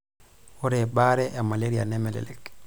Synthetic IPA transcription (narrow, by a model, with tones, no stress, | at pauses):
o˦ɾe˨ba˦ɾɛ˦ʔa˨ma˨le˦ɾia̰nɛ˦mɛ˨lḛlḛ˨k